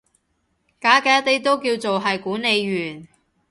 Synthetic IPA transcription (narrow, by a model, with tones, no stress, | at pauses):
kaː˨˥kɛː˨˥t̪e˥t̪o˥wkiː˧wt͡so˨wɦɐ˨jkuː˨˥ne˨˧jɥyː˨˩n